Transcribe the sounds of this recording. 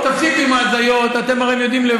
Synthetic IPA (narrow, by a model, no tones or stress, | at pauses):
t̪afsikuimaːzajo̞t̪at̪e̞maʁeemjo̞d̪imle